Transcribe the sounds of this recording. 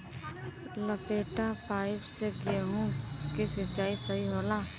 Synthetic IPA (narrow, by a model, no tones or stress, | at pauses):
ləpeːʈapaːɪbseɡemũkesɪt͡ʃaːisəɦiɦoːlaː